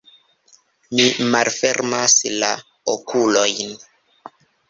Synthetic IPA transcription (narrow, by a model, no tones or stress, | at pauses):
mimalfeɾmasla̰ | okulojn